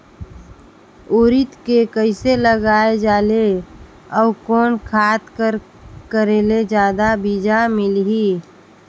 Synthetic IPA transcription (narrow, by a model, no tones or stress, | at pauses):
oːɾɪt̪kekəɪseləɡaːed͡ʒaːle | ɔːkɔːnkʰaːt̪kəɾ | kəɾeːled͡ʒjaːd̪abiːd͡ʒamɪlɦiː